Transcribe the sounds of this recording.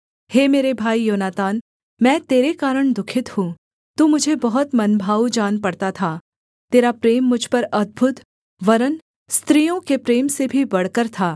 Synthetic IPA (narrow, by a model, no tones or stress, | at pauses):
heːmeːɾebʱaːijoːnaːt̪aːn | mɛ̃ːt̪eːɾekaːɾəɽ̃d̪ʊkʰɪt̪hũː | t̪uːmʊd͡ʒʱebɐɦʊt̪mɐnbʱaːud͡ʒaːnpɐɽt̪at̪ʰa | t̪eːɾapɾeːmːʊd͡ʒʱpɐɾɐd̪̚bʱʊt̪ | ʋɐɾən | st̪ɾijõkepɾeːmsebʱibɐɽ̤kəɾt̪ʰaː